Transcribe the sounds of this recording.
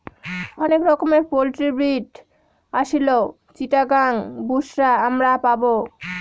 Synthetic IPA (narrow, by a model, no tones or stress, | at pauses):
ɔnekɾɔkomeɾpolʈɾibiʈ | aʃilo | t͡ɕiʈaɡaŋbuʃɾaamɾapabo